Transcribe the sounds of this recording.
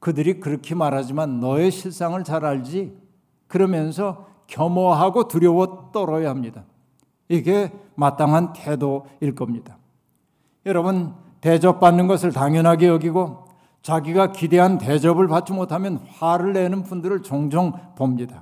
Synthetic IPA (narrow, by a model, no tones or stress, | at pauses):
kɯdɯɾikɯɾʌkʰimaɾɦad͡ʑimanːʌeɕʰiɭs͈aŋɯɭt͡ɕaɾɦaɭd͡ʑi | kɯɾʌmjʌnsʰʌ | kjʌmʌɦaɡotuɾjʌwʌt͈ʌɾʌjaɦamɲida | iɡe̞mat͈aŋɦantʰe̞doiɭk͈ʌmɲid̥a | jʌɾʌbɯn | ted͡ʑʌp̚p͈anːɯnɡʌsʰɯɭtaŋjʌnɦaɡejʌɡiɡo | t͡ɕaɡiɡakideɦante̞d͡ʑʌbɯɭpat̚t͡ɕ͈imotʰamjʌnɸaɾɯɭːenɯnpundɯɾɯɭt͡ɕʌŋd͡ʑʌŋpomɲida